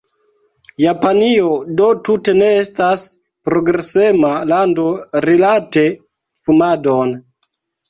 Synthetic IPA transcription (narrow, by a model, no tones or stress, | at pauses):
japaniodo̞tute̞ne̞estas | pɾo̞ɡɾese̞malando̞ɾilate̞ | fumadon